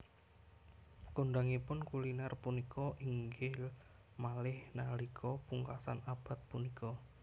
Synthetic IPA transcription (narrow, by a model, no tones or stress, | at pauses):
koɳɖaŋipʊnkulinarpunikʰɔʔiŋɡɪl | malɪhnalikʰɔpuŋkasanab̥a̤t̪̚punikɔ